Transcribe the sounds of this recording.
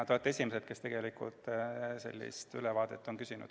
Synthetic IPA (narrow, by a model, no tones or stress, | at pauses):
t̪oet̪ːˑesʲimeset̪ke̞st̪e̞ɡ̥e̞likṵlt̪se̞̰lʲːḭst̪ylevɑːd̪̥et̪ːˑo̞nkysinṵd̪̥